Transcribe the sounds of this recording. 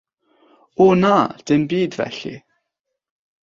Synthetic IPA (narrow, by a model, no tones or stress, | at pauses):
ʊnad̥ɪnbiːdvɛ̰ɬḭ